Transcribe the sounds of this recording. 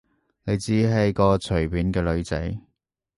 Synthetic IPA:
ne˨˧jt͡siː˨˥ɦɐ˨˧jkɔː˧t͡ʃʰɵ˨˩ɥpiː˨˥nkɛː˧lɵ˨˧ɥt͡sɐ̰˨˥j

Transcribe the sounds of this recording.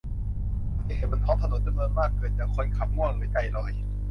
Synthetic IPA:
a˧˩niː˧˥ha˧˩maː˧˩ntʰɔ˧˥t̪ʰa˧no˨˩˦t̪̚t͡ɕa˧mnɤː˧nmaː˥˩kːɤː˨˩n̚t͡ɕɛː˨˩kʰo˧˥˨nkʰa˨˩p̚mu˧˥˩əŋlɯː˦˥˦jka˧˩jlɔː˨˩j

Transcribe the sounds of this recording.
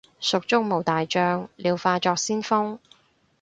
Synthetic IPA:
sʊ˨k̚t͡sʊ˥ŋ̚mo˨wt̪aː˨jt͡ʃœː˧ŋlʔiː˨˧wfaː˧t͡ʃɔː˧k̚siː˥nfʊ˥ŋ

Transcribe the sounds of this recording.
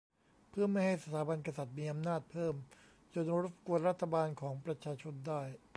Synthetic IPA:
pʰɯ˥˩ma˥˩jha˥˩jsa˧t̪ʰaː˩˦ba˧nka˧sa˨˩t̪̚miː˧ʔa˧mnaː˥˩t̪̚pʰɤː˥˩m | t͡ɕo˧nɾo˦˥˩p̚ku˧ənɾa˦˥t̪ʰːa˧baː˧nkʰɔː˩˦ŋpɾa˧t͡ɕʰaː˧t͡ɕʰo˧ndaː˥˩j

